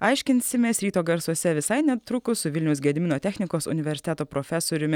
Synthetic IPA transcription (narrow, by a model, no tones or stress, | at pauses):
ɑɪʃʲkʲɪnʲsʲɪmʲeːsɾʲiːt̪oːɡɐɾsuɔsʲɛʋʲɪsɐɪnʲɛt̪ɾʊkʊsʊʋʲɪlʲnʲɛʊs̬ɡʲiɛd̪ʲmʲɪnoːt̪ʲæːxʲnʲɪkoːsʊ̰nʲɪʋʲɛɾʲsʲɪ̥t̪ʲæt̪oːpɾoːfʲæsoːɾʲʊmʲɪ